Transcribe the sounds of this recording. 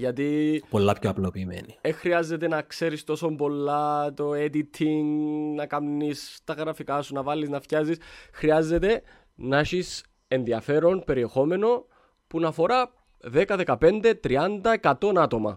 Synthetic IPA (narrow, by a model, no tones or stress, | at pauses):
ʝɐt̪ipolːɐpçoɐplopiːmḛniexɾiɐzːet̪e̞nɐkse̞ɾist̪o̞so̞mbo̞lːɐt̪o̞ed̪it̪ʰiŋɡnɐkɐmnist̪ɐɣɾɐfikɐsunɐvɐlːiznɐfcɐzisxɾiɐzːe̞t̪e̞ | nɐʃis | e̞nðiɐfe̞ɾo̞npe̞ɾie̞xo̞me̞no̞ | punɐfo̞ɾɐ | ðe̞kɐðe̞kɐpe̞nd̪e̞t̪ɾiɐnd̪ɐekɐt̪o̞nɐt̪o̞mɐ̰